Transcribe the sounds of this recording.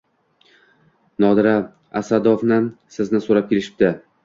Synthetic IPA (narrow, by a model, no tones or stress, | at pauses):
nɒd̪ɪɾa | asad̪ofnɪsɪznɪsoɾap̚kʲʰe̞lɪʃɪ̥b̚d̪ɪ